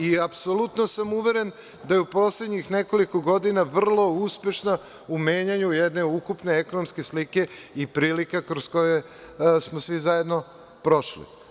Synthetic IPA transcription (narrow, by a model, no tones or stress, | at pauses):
iapsolut̪nosamuʋe̞ɾen | d̪ajeupo̞sled̪ɲixneko̞liko̞ɡo̞d̪inaʋr̩lˠo̞uspe̞ʃna | umeːɲaɲujed̪ne̞ukupneeko̞nomske̞slike̞ipɾiːlikakɾosko̞je | smosʋizaje̞d̪no̞ | pɾo̞ʃlḭ